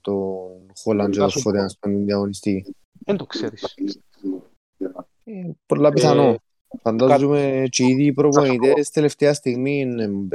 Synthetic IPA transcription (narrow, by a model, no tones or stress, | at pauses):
t̪onxoland͡ʒet̪ofːoɾeast̪onind̪jaɣonist̪i | end̪okseɾi | epoɾlapiθano | fand̪azumet͡ʃiiðipɾopoit̪est̪eleft̪ɛast̪iɣmin